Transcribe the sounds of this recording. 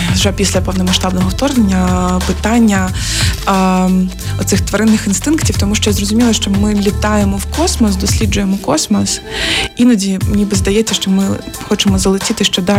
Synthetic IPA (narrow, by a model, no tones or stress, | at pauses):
wʒɛpʲisʲlʲɐpɛwnɔmɐʃt̪ɑbnɔɦɔwt̪ɔrnenʲːɐpɪt̪ɑnʲːɐ | ɔt̪sɪxt̪ʋɐɾɪnːɪxinst̪ɪnktʲiwt̪ɔmuʃt͡ʃɔjazrɔzʊmʲilˠɐʃt͡ʃɔmɪlʲit̪ɑjemɔwkɔsmɔsd̪ɔsʲlʲid͡ʒʊjemɔkɔsmɔsinɐdʲimnʲibɨzd̪ɐjɛt͡sʲːɐʃt͡ʃɔmɪxɔt͡ʃɪmɔzɐlˠɪtʲit̪ɪʃt͡ʃɔd̪ɑ